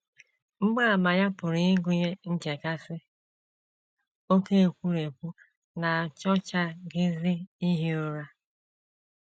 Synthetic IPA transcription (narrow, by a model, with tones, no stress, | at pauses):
m̩˦ɡ͡ba˦a˨ma˨ja˦pʊ˨ɾi˨˦ɪ˦ɡʊ˦ɲe˦ŋ̩˦d͡ʒe˨ka˦sɪ˦ | o˦ke˦e˨kʷu˦ɾe˨kʷu˦ | na˨a˨t͡ʃɔ˦t͡ʃa˦ɡɪ˦zɪ˦i˦ɦi˦o˦ɾa˦